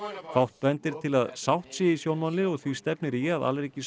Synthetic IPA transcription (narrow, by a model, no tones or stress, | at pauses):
fawht̪̚pɛnt̪ɪɾ̥t̪ʰɪlaðsawht̪sɛisjownmanlɪɔɣθvist̪ɛpnɪɾiaða̰lɾeːcɪs